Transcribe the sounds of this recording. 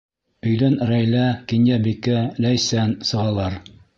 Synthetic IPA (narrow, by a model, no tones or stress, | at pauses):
ɵ̆jlænɾæjlækinjæbikælæjsænsɤ̆ʁɑlˠɑɾ